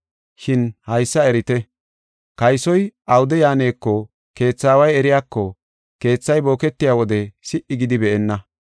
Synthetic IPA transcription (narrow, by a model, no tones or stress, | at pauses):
ʃɪnhɐjsːɐɛɾɪt̪ɛ | kɐjsɔjʔɐwʊd̪ɛjaːne̞ːkːɔ | ke̞ːt͡sːaːwɐjɛɾɪjaːkːɔ | ke̞ːt͡sːɐjbo̞ːkɛt̪ːɪjaːwɔd̪ɛsɪʔːɪɡɪd̪ɪbɛʔɛnːɐ